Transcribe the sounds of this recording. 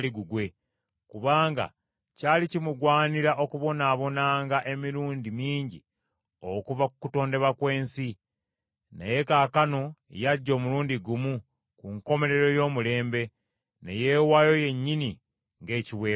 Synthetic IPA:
liɡuɡwe̞ | kuβaːŋɡa̰ | caːlicimuɡwaːniɾaʔo̞kuβo̞naːβo̞naːŋɡaʔe̞miɾuːndimiːɲɟi | okuvakukuto̞ːnde̞βakwe̞ːnsi | nḛje̞kaːkanoejaɟːo̞ːmuɾuːndiɡumu | kuŋko̞me̞ɾe̞ɾo̞jo̞ːmule̞ːmbe̞ | nḛje̞ːwajo̞je̞ɲːini | ŋɡe̞ːciβwe̞ː

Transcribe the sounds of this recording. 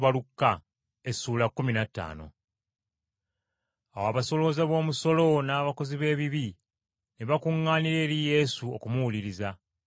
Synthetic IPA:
βalukːa | esuːlakːuminatːa̰ːno̞̰ | awoaβaso̞lo̞ːzaβo̞ːmuso̞lo̞naːβako̞ziβe̞ːβiβi | neβakuŋːaːniɾe̞ːɾije̞suokumuwuliɾiza

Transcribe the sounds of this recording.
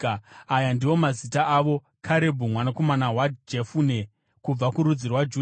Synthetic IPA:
ajandiwo̞mazitaʔaʋo̞ | kʰaɾe̞bʱumwanako̞manawad͡ʒefune̞ | kub͡vakuɾud͡zirwad͡ʒuː

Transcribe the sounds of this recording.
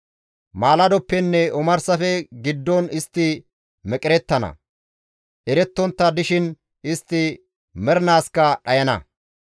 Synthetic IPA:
maːlɐd̪ɔpːɛnːɛɔmɐɾsɐfɛɡɪd̪ːɔnɪst̪ːɪ | mɛkʼɪɾɛt̪ːɐnɐ̰ | ʔɛɾɛt̪ːɔnt̪ːɐd̪ɪʃɪn | ɪst̪ːɪ | mɛɾnaːskːɐɗɐjɐnɐ̰

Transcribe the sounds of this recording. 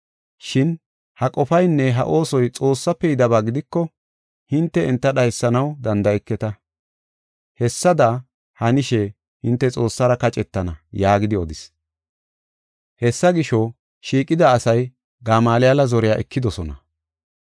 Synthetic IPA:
ʃɪn | hɐkʼɔfɐjnːɛɦɐ̰ʔo̞ːsɔjt͡sʼo̞ːsːɐpːɛjɪd̪ɐβaːɡɪd̪ɪkːɔ | hɪnt̪ːɛɪnt̪ːɐɗɐjsːɐnɐwd̪ɐnd̪ɐɛkːɛt̪ɐ | hɛsːɐd̪ɐ | hɐnɪʃɛ | hɪnt̪ːɛt͡sʼo̞ːsːɐɾɐkɐt͡ʃʼɛt̪ːɐnɐjaːɡɪd̪ɪɔd̪ɪs | hɛsːɐɡɪʃɔ | ʃiːkʼɪd̪ɐːsɐj | ɡaːmaːlɪjɐlɐzɔɾɪjaːʔɛkːɪd̪ɔsɔnɐ̰

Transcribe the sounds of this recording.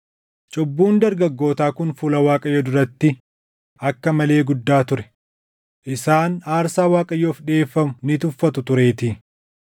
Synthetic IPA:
t͡ʃʼɔbːuːnd̪ɐɾɡɐɡːo̞ːt̪aːkʊnfʊlɐwaːkʼɐjɔd̪ʊɾɐt̪ːɪ | ʔɐkːɐmɐle̞ːɡʊd̪ːaːt̪ʊɾɛ̥ | ʔɪsaːnaːɾsaːwaːkʼɐjoːfᶑe̞ːfːɐmʊnɪt̪ʊfːɐt̪ʊt̪ʊɾe̞ːt̪ɪ

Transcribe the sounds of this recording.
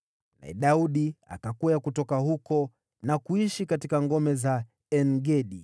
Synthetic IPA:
na̰ɛ̰ɗauɗia̰kakujakutɔkahukɔ | nakuiʃikatikaŋɡɔmɛza | ɛnɡɛɗi

